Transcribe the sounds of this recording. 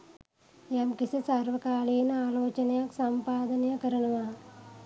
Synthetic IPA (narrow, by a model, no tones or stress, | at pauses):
jamkisisaɾʋɐkaːɭeːnaːloːt͡ʃɐnjaksɐmpaːd̪ɐnjɐkɐɾɐɳɐʋaː